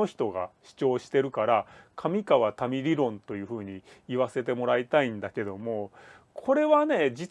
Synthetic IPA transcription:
o̞çi̥t̪o̞ɡa̰ɕi̥t͡ɕo̞ːɕi̥t̪e̞ɾɯ̟kaɾakʰamʲikaβat̪amʲiɾʲiɾõ̞nt̪o̞jɯ̟ːɸɯ̟ːɲ̟iːβase̞t̪e̞mo̞ɾait̪aĩnd̪ake̞d̪o̞mo̞ | kʰo̞ɾe̞βane̞d͡ʑit͡s

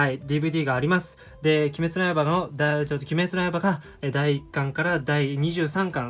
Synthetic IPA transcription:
haid̪ʲibɯ̟ːd̪ʲiːɡaːɾʲimasɨ̥ | d̪e̞kʲime̞t͡sɨnaebaɡaod̪at͡ɕot̪ːokʲime̞t͡sɨnaebaɡa | ed̪aiːkːãŋkaɾad̪aiɲ̟iʑɨːsãŋkãŋ

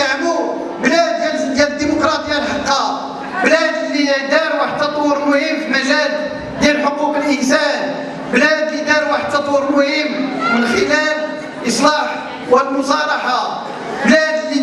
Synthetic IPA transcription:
ʕmu | blæd̪jæld̪jæd̪əd̪ːimʊkɾˤɑt̪ˤəjːalħɑqːɑ | blæd̪əlːid̪ɑɾwaħəd̪ɑt̪ˤwɾənwhimfməlæd̪ | d̪jænħoquqəlʔənsæn | blæd̪əlid̪ɑɾwaħəd̪ɑt̪ˤwɾənwʊhimmənxəlæl | ʔəsˤlɑħ | wəlmʊs̬ˤɑɾˤɑħa | blæd̪əlːi

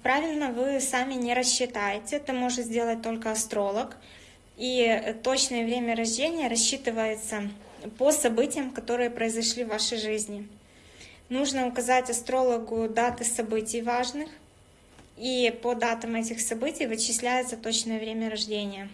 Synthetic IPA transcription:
pɾavʲɪlʲnəvɨsamʲɪnʲɪɾəɕːɪt̪ajɪtʲɪt̪ɨmo̞ʐɨt̪zʲdʲe̞lˠət̚ʲt̪o̞lʲkəɐst̪ɾo̞lˠək | it̪o̞t͡ɕnɨjəvɾʲemʲəɾɐʐdʲenʲɪjəɾɐɕːit̪ɨvəjɪt̪sə | posɐbɨtʲɪjəmkɐt̪o̞ɾɨjəpɾəɪzɐʂlʲivːaʂəjʐɨzʲnʲɪ | nuʐnəʊkɐzatʲɐst̪ɾo̞lˠəɡʊd̪at̪ɨsɐbɨtʲɪjvaʐnɨx | ipəd̪at̪ɐmɛtʲɪxsɐbɨtʲɪjvɨt͡ɕːɪsʲlʲæjɪt̪sət̪o̞t͡ɕnɨjəvɾʲemʲəɾɐʐdʲenʲɪjə

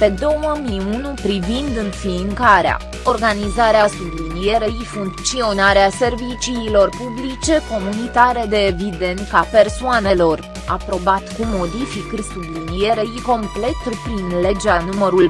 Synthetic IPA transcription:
pe̞d̪o̞wməmiunupɾivind̪ɨnfiŋkaɾea̰ | o̞rɡanizaɾeasublinije̞ɾeifuŋkt̪sio̞naɾease̞rvit͡ʃiːlo̞rpublit͡ʃe̞ko̞munit̪aɾe̞d̪e̞ːvid̪e̞nt̪̚kape̞rsoanelo̞r | a̰pɾo̞bat̪kumo̞d̪ifiksublinijeɾeiko̞mple̞t̪pɾinle̞d͡ʒeanuməɾul

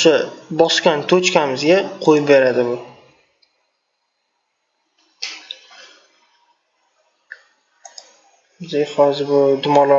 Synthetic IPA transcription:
ʊʃabɒskʲant̪ʰɵt͡ʃkʲamɪzɡʲaqʰojɪp̚be̞ɾad̪ɪbʊ | d̪ehɒzɪɾbʊd̪ʊmɒlˠɒ

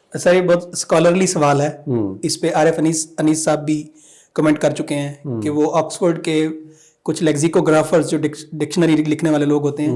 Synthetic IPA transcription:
saɾebɔːt̪skɔːləɾlisɐʋaːlɦɛːɪspeʔaːɾefəniːsəniːsːaːb̚ːʱi | kəmɛ̃ːɳʈ̚kɐɾt͡ʃʊkeɦɛ̃ːkeʋoʔɔːksfəɾɖke | kʊt͡ʃʰlɛːkzikoɡɾaːfʰəɾzd͡ʒoːɖɪkɖɪkʃənəɾilɪkʰneʋaːleloːɡɦoːt̪eɦɛ̃ː

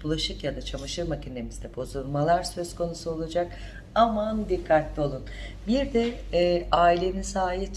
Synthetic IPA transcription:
b̥ulˠaʃɯkjad̪at͡ʃʰamaʃɯɾmacʰine̞mizd̪ɛbo̞zulˠmalˠaɾsø̞zkʰo̞nusuo̞lˠad͡ʒak | amand̪ikʰːat̪lʲˠio̞lˠun | biɾd̪ɛ | aːilʲe̞ninsaːɦit̪

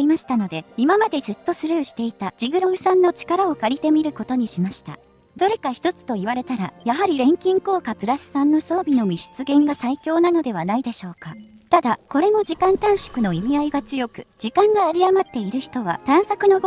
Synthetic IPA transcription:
imaɕi̥t̪ano̞d̪e̞imamad̪e̞zɨt̪ːo̞sɨɾɯːɕi̥t̪e̞it̪ad͡ʑiɡɯ̟ɾo̞ɡɯ̟sãnːot͡ɕi̥kaɾao̞kaɾʲit̪e̞mʲiɾɯ̟ko̞t̪o̞ɲ̟iɕimaɕi̥t̪a̰ | d̪̥o̞ɾe̞kaçi̥t̪o̞t͡sɨ̥t̪o̞iβaɾe̞t̪aɾa̰jaɦaɾʲiɾẽ̞ŋkʲĩŋko̞ːkapɯ̟ɾasɨ̥sãnːo̞so̞ːbʲino̞mʲiɕi̥t͡sɨɡẽ̞ŋɡasaikʲo̞ːnano̞d̪e̞β̞anaid̪e̞ɕo̞ːka | t̪ad̪ako̞ɾe̞mo̞ʑikãnt̪ãɰ̃ɕi̥kɯ̟no̞imʲiaiɡat͡sɨjo̞kɯ̟d͡ʑ̥ikãŋɡaːɾʲijamat̪ːe̞iɾɯ̟çi̥t̪o̞β̞a̰t̪ãɰ̃sakɯ̟no̞ɡ

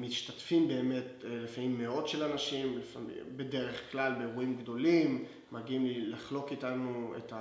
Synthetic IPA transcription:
miʃtatfimbe̞ːme̞tlifamimːe̞o̞tʃelanaʃimlifamḭbe̞deʁe̞χklalbeːʁuimɡdo̞limː | aɡiimlilaχlo̞kitanuḛta

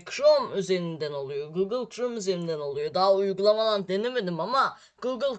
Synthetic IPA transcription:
kʰɾomyze̞ɾind̪æno̞lˠujo̞ɡuɡɯlˠkʰɾomyze̞ɾind̪æno̞lˠujod̪aːujɡulˠamad̪and̪e̞neme̞d̪imama | ɡ̥uɡɯlˠ

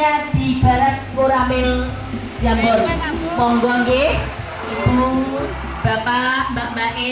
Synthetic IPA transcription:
ad̪̥i̤b̥a̤ɾat̪̚koɾamɪl | d͡ʒambɔrmɔŋɡɔŋɡe | ib̥u | b̥apambaʔmbaʔe

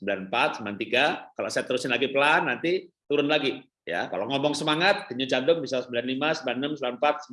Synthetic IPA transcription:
əmbilanmpat̪̚səmant̪iɡakalo̰ʔsajat̪əɾusɪnlaɡipəlanːant̪it̪uɾʊnlaɡi | ja̰ka̰loŋɔmɔŋsəmaŋat̪̚ːiɲut͡ʃadʊŋbisasəmbilanlimasəbilanəmsəbilanmpat̪̚s

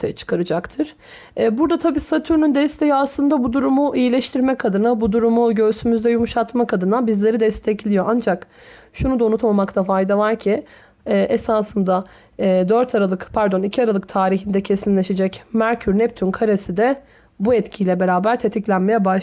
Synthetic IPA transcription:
t̪ʰjɛt͡ʃʰɯ̥kʰaɾɯd͡ʒakt̪ʰɯɾ̥ | ɛːbuɾd̪at̪ʰabiːsat̪ʰyɾnynd̪ɛst̪ʰe̞jiaslˠɯnd̪abud̪uɾumuʔijilʲɛʃt̪ʰiɾmɛkʰad̪ɯnabud̪uɾumuɟø̞ɾsymyzd̪ɛjumuʃat̪makʰad̪ɯnabizlʲe̞ɾid̪ɛst̪ʰɛclʲijo̞ʔand͡ʒak | ʃunud̪aunut̪mamakt̪afajd̪avaɾcʰi | ɛːʔesaːsɯnd̪a | ɛːd̪øɾt̪ʰaɾalˠɯkpʰæɾd̪o̞nicʰiaɾalˠɯk̚t̪ʰaːɾiɦind̪ɛcʰe̞sinlʲeʃed͡ʒɛcmæɾcʰyɾnɛp̚t̪ʰynkʰaɾesid̪ɛ | buɛt̪cʰiːlʲɛbe̞ɾaːbæɾt̪ʰe̞t̪ʰiclʲænme̞jɛbaʃ

